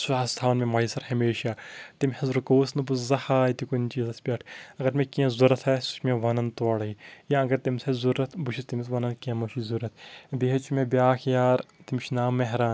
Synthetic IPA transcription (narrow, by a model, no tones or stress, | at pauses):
suaːst̪ʰaːnmẽmɐisɐɾhɐmeːʃaːt̪imʲhɐzɾukoːsnɨbuszɐhaːjit̪ikunt͡ʃizɐsbʲaːʈʰɐɡɐɾmʲẽkiɐ̃zuɾɐt̪ʰɐsu̥ʃmʲẽʋɐnɐnt̪ɐːɽɐijɐɐ̃ŋɡɐɾt̪imsɐzuɾɐt̪ʰbuʃʰist̪imisʋɐnɐnkiɐ̃mɐʃizuɾɐt̪ʰbiɦɐt͡ʃʰumʲẽbʲjaːkʰjaːɾt̪imʲʃʰnaːmːɐɦɾaːn